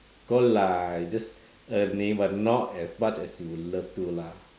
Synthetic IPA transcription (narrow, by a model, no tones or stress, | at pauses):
ɡ̥olajd͡ʒʌs | ənĩŋwanɔtɛsmat͡ʃɛsjuləftula